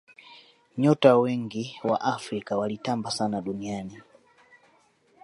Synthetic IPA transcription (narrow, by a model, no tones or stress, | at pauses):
ɲɔtawɛŋɡiwa̰ʔafɾikawalitambasanaɗuniani